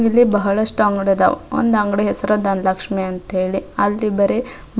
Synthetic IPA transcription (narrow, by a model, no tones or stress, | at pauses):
ilːibɐɦɐɭɐʂʈuɐŋɡɐɽed̪ɐ̰o̰nd̪ɐŋɡɽeɦɛsɐɾɐd̪ɐnlɐkʂmeɐnt̪ɐɦeːɭiɐlːibɐɾe | b